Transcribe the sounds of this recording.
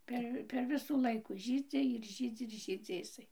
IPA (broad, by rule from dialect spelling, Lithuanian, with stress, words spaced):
ˈpʲɛr pʲɛr ˈʋʲɪsuː ˈlˠɐɪkuː ˈʒʲiːd͡zʲɪ ɪr ˈʒʲiːd͡zʲɪ ɪr ˈʒʲiːd͡zʲɪ ɪˈsɐɪ